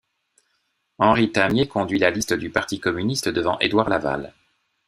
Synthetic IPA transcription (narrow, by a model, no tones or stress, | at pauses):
ɑ̃ʁit̪amjekɔ̃d̪ɥilalist̪əd̪ypaʁt̪ikɔmynist̪əd̪əvɑ̃ʔed̪waʁlava̰l